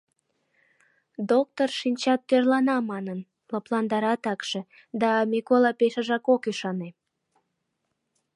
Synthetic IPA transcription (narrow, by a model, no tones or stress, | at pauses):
d̪ok̚t̪orʃinʲt͡ɕɑt̪ːørlɑnɑmɑnən | ləplɑnd̪ɑɾɑt̪ɑkʃe̽ | d̪ɑmikolɑpeʃə̆ʒɑkokyʃɑne